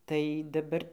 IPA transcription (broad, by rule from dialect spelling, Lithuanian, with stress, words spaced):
tɐɪ dɐˈbɐr